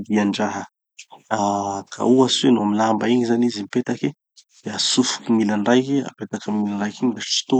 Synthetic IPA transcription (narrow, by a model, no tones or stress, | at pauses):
d̪iaɳɖ͡ʐaɦə | akʰa̰uasuenuamilambaiɲizanizimipet̪aki | d̪̥easufu̥kimilaɳɖ͡ʐajkia̰pet̪akəmilanɖ͡ʐajkiɲid̪aʈ͡ʂi̥t̪o